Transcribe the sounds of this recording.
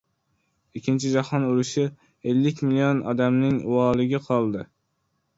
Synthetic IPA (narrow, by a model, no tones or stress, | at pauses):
ikʲʰːint͡ʃʰid͡ʒɑhɑnuluʃɪ | elːɪkʲmilijonɑ̰d̪ɛmnɪŋwɑːlˠɨɡʲɪqʰɑlˠd̪ɨ